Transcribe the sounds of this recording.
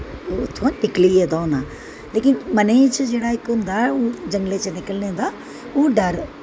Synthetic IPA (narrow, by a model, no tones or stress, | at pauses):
ot̪ʰoãnɪklied̪oːnaː | leːkɪnmɐneːt͡ʃʰəd͡ʒeːɽaːikːoːnd̪aːud͡ʒɐ̃ŋɡlet͡ʃənɪkəlnẽd̪aː | uɖɐɾ